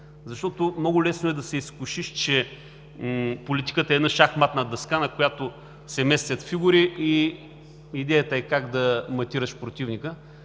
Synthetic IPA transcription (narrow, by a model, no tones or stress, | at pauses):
zɐʃt̪ɔt̪ʊmnɔɡʊlɛsnoɛd̪ɐsɛiskʊʃiʃt͡ʃɛ | polit̪i̥kət̪əɛːd̪naʃaxmat̪nɐd̪ɐskanɐkojat̪o | sɛmɛst̪vʲɐt̪fiɡuɾiʔi | id̪ɛjət̪əɛkaɡd̪ɐmɐt̪iɾəʃpɾot̪ivnikə